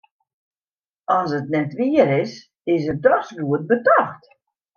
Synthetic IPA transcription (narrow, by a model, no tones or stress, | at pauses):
ɔnsətnɛtʋiəɾɪs | ɪsət̚dɔsɡuət̚bədɔxt